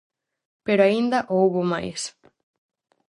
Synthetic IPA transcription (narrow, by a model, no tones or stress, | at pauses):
peɾoaind̪ɐʔowβoma̰js